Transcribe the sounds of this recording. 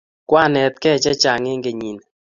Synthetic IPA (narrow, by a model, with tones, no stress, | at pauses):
kwa˦˨nɛ˨t̪̚kɛ˦˨t͡ʃɛ˦t͡ʃa˨ŋɪ˦ŋɡe˨ɲi˨n